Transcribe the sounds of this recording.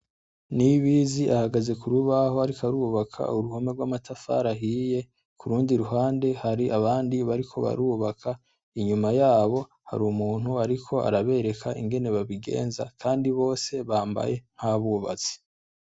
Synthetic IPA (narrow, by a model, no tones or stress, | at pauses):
niβiziʔahaɡaze̞kuɾuβaho̞aɾikaɾuːβakʰa̰uɾuhome̞ɡwaːmatʰafa̰ːɾaɦiːje̞ | kʰuɾuːndiɾuɦaːnde̞haɾiʔaβaːndiβaɾikʰo̞̰βa̰ɾuːβakʰa | iɲumajaːβo̞ | ha̰ɾumuːn̥huaɾikʰo̞a̰ɾaβe̞ɾe̞kʰaʔiŋɡe̞ne̞βaβiɡe̞̰ːnza̰kʰaːndiβo̞ːse̞βaːmba̰je̞ŋ̥haβuβa̰t͡si̥